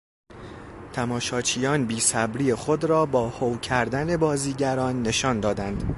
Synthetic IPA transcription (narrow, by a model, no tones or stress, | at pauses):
t̪ʰæmɒːʃɒːt͡ʃʰijɒːnbiːsæbɾiːexo̞d̪ɾɒːbɒːhowcʰæɾd̪æne̞bɒːziːɟæɾɒːnːe̞ʃɒːnd̪ɒːd̪ænd̪̥